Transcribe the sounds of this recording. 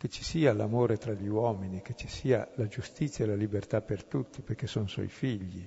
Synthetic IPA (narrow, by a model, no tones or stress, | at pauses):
k̟et͡ʃi̥siːalamoːɾet̪ɾaʎiwɔminik̟et͡ʃi̥siːalad͡ʒust̪it̪sːjaelalibert̪apːert̪ut̪ːiperkesonsɔ̰jfiʎːḭ